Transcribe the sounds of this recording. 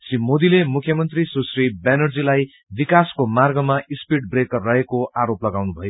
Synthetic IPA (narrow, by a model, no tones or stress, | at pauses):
simod̪ilemukʰjʌmʌnt̪risusribenʌrd͡zilaj | bikaskomarɡʌmaispiʈ̚brekːʌɦekoʔaɾoplʌɡawnubʱʌjo